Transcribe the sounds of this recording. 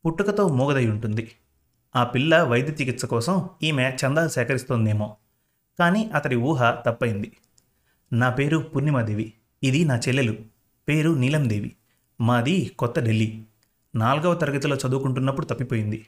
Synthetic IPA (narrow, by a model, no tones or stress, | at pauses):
puʈːɐkɐt̪o̞ːmuːɡɐd̪ɐjuɳʈund̪i | aːpilːɐʋɐjd̪jɐt̪ikit̪sɐkɔːsɐmiːmeːt͡ʃɐnd̪aːsɛːkɐɾist̪oːnd̪e̞ːmo̞ː | kaːniːʔɐt̪ɐɾiuːɦɐt̪ɐpːɐjind̪i | naːpe̞ːɾupunːimɐd̪eːʋiː | d̪inaːt͡ʃɛlːelu | pe̞ːɾunilɐmd̪eːʋḭ | maːd̪ikɔt̪ːɐɖelːi | naːlɐɡɐʋɐt̪ɐɾɐɡɐt̪ulo̞ːt͡ʃɐd̪uːkuɳʈunːɐpːuɽut̪ɐpːipo̞ːjind̪i